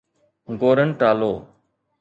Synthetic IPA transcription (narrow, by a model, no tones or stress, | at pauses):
ɡoːɾənʈaːloː